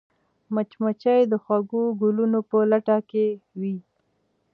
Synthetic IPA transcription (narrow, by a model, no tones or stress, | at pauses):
mat͡ʃmat͡ʃajd̪əxwaɡuɡʊlunopəlaʈakewi